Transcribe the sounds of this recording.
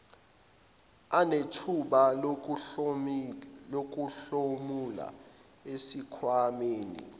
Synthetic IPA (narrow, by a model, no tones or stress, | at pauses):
anetʰuɓa | ok̬uɬomula̰ | esikʰwameːnḭ